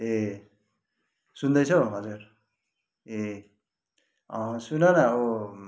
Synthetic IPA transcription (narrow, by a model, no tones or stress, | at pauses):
e | sund̪ʌjt͡sʰʌɦʌd͡zuɾ | e | ʌsunʌnʌo